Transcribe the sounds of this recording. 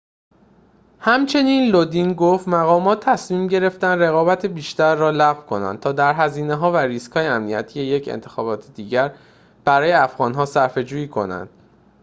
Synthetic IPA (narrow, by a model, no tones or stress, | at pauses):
hæmt͡ʃʰe̞niːnlod̪inɡoft̪mæɣɒːmɒːt̪ʰːæsmiːmɟe̞ɾe̞ft̪ænd̪re̞ɣɒːbæt̪ʰebiːʃt̪æɾːɒːlæɣvkʰo̞næ̰nd̪̚t̪ʰɒːd̪æɾɦæziːneɦɒːvæɾiskʰhɒːjeæmnijæt̪ʰijeje̞cʰḛnt̪ʰe̞̥xɒːbɒːt̪ʰed̪iːɟæɾ | b̥æɾɒːjeæfɣɒːnɦɒːsæɾfe̞d͡ʒuːjiːkʰo̞̰næ̰nd̪̥